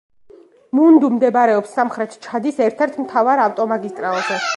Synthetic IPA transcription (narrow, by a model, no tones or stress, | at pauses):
mund̪umd̪ɛbɾɛɔpsːamχɾɛt̪ʰt͡ʃʰad̪isɛɾt̪ʰɛɾt̪ʰmt̪ʰavaɾaft̪ʼɔmaɡist̪ʼɾalˠzɛ